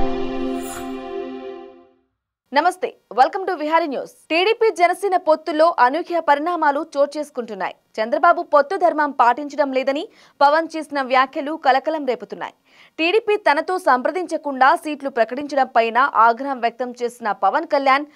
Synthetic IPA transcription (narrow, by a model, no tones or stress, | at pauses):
nɐmɐst̪e̞̰ːʋɐlkɐmʈuʋiɦaːɾinjṵːsʈiːɽiːpiːd͡ʒɛnɐsɛːnɐpot̪ːulo̞ːʔɐnukʰjɐpɐɾiɽaːmaːlut͡ʃo̞ːɾt͡ʃe̞ːsu̥kuɳʈunːa̰ːji | t͡ʃɐnd̪ɾɐbaːbupot̪ːud̪ʱɐɾmɐmpaːʈiɲt͡ʃɐɽɐmlɛːd̪ɐni | pɐʋɐnt͡ʃe̞ːsinɐʋjaːkʰjɐlukɐlɐkɐlɐmɾe̞ːput̪unːa̰ːji | ʈiːɽiːpiːt̪ɐnɐt̪o̞ːsɐmpɾɐd̪iɲt͡ʃɐkuɳɖaːsiːʈlupɾɐkɐʈiɲt͡ʃɐɽɐmpɐjnaʔaːɡɾɐɦɐmʋjɐk̚t̪ɐmt͡ʃe̞ːsinɐpɐʋɐnkɐljaːn